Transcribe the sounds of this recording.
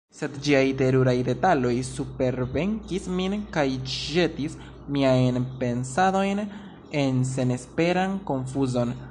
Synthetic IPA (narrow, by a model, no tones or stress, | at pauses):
se̞dd͡ʒiajte̞ɾuɾajde̞talo̞jsupe̞ɾve̞ŋkisminkajd͡ʒe̞tis | miajnpe̞nsado̞jn | e̞nse̞ne̞spe̞ɾanko̞nfuzo̞n